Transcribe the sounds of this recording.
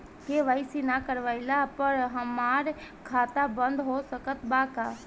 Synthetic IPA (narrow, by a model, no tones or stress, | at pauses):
keʋaisinakəɾʋailapəɾɦəmaːɾ | kʰaːt̪abə̃nd̪ɦoːsəkət̪baːkaː